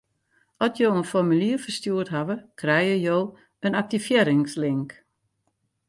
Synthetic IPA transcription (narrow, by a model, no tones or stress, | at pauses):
ɔtjoːənfɔrmyliəfərstjuətɦaʋəkʰrɛjəjoː | ənak̚tifjɪɾɪŋslɪŋk